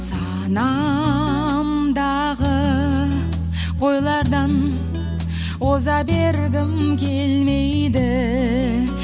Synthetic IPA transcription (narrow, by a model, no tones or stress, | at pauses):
sɑ | nɑ | md̪ɑ | ʁə | wo̞jlˠɑɾd̪ɑn | wo̞zɑbe̞ɾɡʲɪmkʲʰelmejd̪ɪ